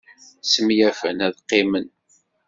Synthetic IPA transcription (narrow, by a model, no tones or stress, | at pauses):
səmjæfənæðqːɪmən